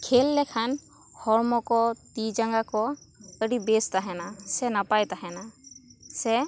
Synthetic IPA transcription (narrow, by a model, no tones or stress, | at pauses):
kʰelːɛkʰan | hɔɾmɔkɔt̪id͡ʒaŋɡakɔəɖibest̪aɦɛnasɛnapajt̪aɦɛna | sɛ